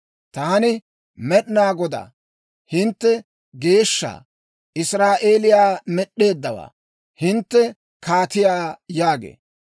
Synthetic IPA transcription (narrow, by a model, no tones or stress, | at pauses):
t̪ɐɐnɪ | mɛɗnaːɡɔd̪a̰ː | hɪnt̪ːɛ | ɡe̞ːʃːa̰ː | ʔɪsɾaːʔeːlɪjaːmɛɗːe̞ːd̪ːɐwa̰ː | hɪnt̪ːɛ | kaːt̪ɪjaːjaːɡḛː